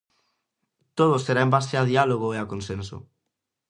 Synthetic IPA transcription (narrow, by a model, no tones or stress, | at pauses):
t̪oð̞oseɾaembast̪eað̞ialoɣ̞oeakonsenso̰